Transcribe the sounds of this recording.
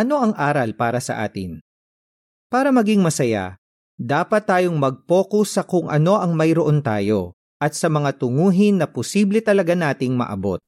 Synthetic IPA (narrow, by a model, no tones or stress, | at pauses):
ʔɐno̞ʔɐŋʔaːɾɐlpaːɾɐsɐ̰ʔa̰ːt̪ɪ̰n | paːɾɐmɐɡiŋmɐsɐja̰ | d̪aːpɐt̪ːaːjo̞ŋmɐɡ̚po̞ːkʊsːɐkʊŋʔɐ̰no̞ʔɐŋmɐjɾoʔo̞nt̪aːjo̞ | ʔɐt̪̚sɐmɐŋat̪ʊŋuːɦɪnːɐpʊsiːblɛt̪ɐlɐɡanaːt̪ɪŋmɐ̰ʔɐ̰bo̞̰t̪̚